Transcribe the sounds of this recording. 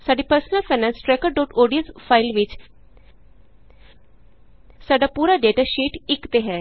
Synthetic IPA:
saːɖiːpəɾsənəlpʰaːnɛ̃ːnsʈɾɛːkəɾɖoːʈoːɖijənspʰaːɪlʋɪt͡ʃ | saːɖaːpuːɾaːɖeːʈaːʃiːʈɪkt̪eːɦɛː

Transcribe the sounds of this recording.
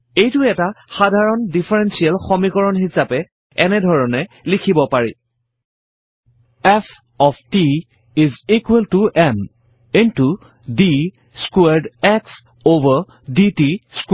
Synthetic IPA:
ejtʊɛtaxadʱaɹɔndifʰɛɹɛnsialxɔmikɔɹɔnxisapɛ | ɛnɛdʱɔɹɔnɛ | likʰibɔpaɹḭ | ɛf | ɔfti | izikwɛltuʔɛm | intu | di | skwɛdɛks | ovəɹ | ditisk

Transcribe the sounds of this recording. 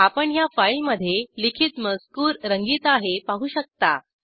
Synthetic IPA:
apəɳjafailməd̪ʱːjelikʰiːt̪məskuːɾɾəŋɡiːt̪aɦepaɦuːɕək̚t̪a

